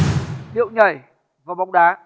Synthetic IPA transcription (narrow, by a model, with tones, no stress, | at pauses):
ɗḭ˧˨wɲə˨˩j | vaː˨˩ɓa˨˦wŋ͡mɗaː˨˦